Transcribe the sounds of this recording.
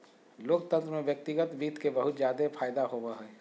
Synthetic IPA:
loːkt̪ə̃nt̪ɾəmẽʋjək̚t̪ɪɡət̪biːt̪kebɐɦʊt̪zjaːd̪epʰaːjd̪aɦoːbaɦɛː

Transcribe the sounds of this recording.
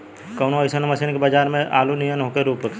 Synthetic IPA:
kɐːnosənmɐsenkebɐd͡ʒaːɾmẽʔaːlunijənɦoːkeɾuːpək

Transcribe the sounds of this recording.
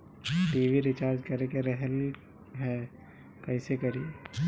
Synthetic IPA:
ʈiːʋiɾɪt͡ʃaːɾd͡ʒkɐɾekeɾɛɦɛɾli | ɦɛː | kɐɪsekɐɾi

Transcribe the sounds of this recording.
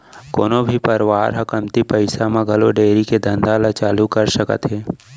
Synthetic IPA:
koːnobʱipəɾʋaːɾɦɐkəmt̪ipɐɪsamãɡʱɐloɖeːɾiked̪ə̃nd̪aːlat͡ʃaːlukɐɾʃəkə̰t̪ɦeː

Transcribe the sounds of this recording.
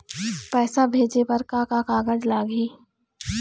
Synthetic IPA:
pɛːsabʱeːd͡ʒepɐɾkakakaːɡəd͡ʒlaːɡiː

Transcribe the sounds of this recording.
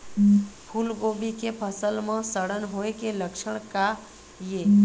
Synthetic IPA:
pʰulɡobikepʰəsəlmãsəɽənɦoekeləkʃəɽ̃ka | je

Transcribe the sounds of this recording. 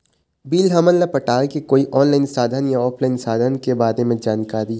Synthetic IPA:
biːlɦɐmənlapɐʈaːkekoːiʔɔːnlaːɪnsaːd̪ʱənjaɔːpʰlaːɪnsaːd̪ʱənkebaːɾemẽd͡ʒaːnkaːɾi

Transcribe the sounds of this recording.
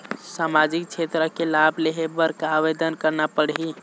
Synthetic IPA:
samad͡ʒik̚t͡ʃʰet̪ɾəkelabʱleɦebəɾkaːʋed̪ənkəɾnapəɽɦi

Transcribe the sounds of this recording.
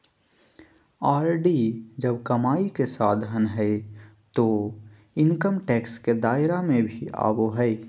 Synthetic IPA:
aːɾɖid͡ʒəbkɐmaːikesaːd̪ʱənɦɛe | t̪o | ɪŋkəmʈɛːksked̪aːɪɾamẽbʱia̰ːboɦɛɪ

